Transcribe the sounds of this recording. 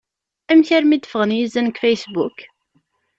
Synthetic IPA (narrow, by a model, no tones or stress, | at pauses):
æmçæɾmid̪ə̥fəʁənjizænkfæjsbuk